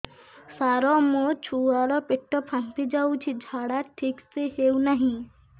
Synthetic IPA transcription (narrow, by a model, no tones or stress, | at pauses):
saɾɔmɔt͡ʃʰuaɾɔpeʈːɔpʰant̪id͡ʒawt͡ʃʰid͡ʒʱaɽaʈʰiksehewnaɦĩ